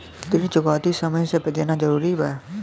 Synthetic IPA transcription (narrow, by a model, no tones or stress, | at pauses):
t̪ɪnĩt͡ʃʊɡaːt̪isəməjsepɪd͡ʒ̪enad͡ʒəɾuːɾibaː